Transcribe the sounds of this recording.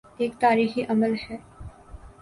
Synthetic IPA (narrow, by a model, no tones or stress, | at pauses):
eːkt̪aːɾiːxiʔɐməlʃɛː